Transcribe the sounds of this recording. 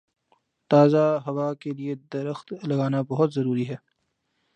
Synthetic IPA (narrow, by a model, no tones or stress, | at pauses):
t̪aːzaɦɐʋakelied̪ɐɾəxt̪lɐɡaːnabɐɦʊt̪zɐɾuːɾiɦɛː